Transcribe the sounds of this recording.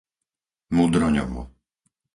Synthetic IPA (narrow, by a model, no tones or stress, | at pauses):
mud̪ɾɔɲɔ̰ʋṵ